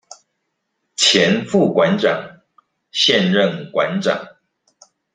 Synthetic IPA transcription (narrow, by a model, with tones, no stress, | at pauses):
t͡ɕʰjɛ˧˥nfu˥˩kwa˧˥nʈ͡ʂɑ̰˨˩˦ŋ | ɕjɛ˥˧nɻə˥˩nkwa˧˦nʈ͡ʂɑ̰˨˩˦ŋ